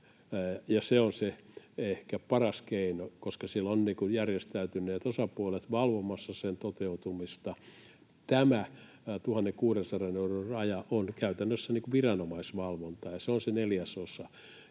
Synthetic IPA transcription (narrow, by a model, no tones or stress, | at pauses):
jɑseonseehkæpɑrɑskeinokoskɑsielːonniːkujærjest̪æyt̪ynːˑeːt̪osɑpuolet̪ʋɑlʋomɑsːɑsent̪ot̪eut̪umist̪ɑ | t̪æmæ | t̪uhɑnːeŋkuːrensɑreneurorɑjɑʔonkæyt̪ænːøsːæniːŋkuʋirɑnomɑisʋɑlʋont̪ɑjɑseonseneljæsosɑ